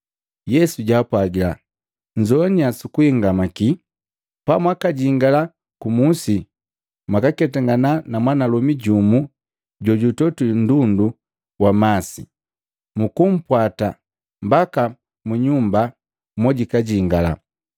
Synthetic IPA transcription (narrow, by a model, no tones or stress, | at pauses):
jɛsuɟaːpwaɡila | ɲd͡ʒɔniasukuhiŋɡamaki | pamwakaɟiŋɡala | kumusi | mwakakɛtaŋɡananamwanalɔmiɟumu | ɟɔɟutɔtun̩dundu | wamasi | mukum̩pwata | mbaka | muɲumba | mɔɟikaɟiŋɡala̰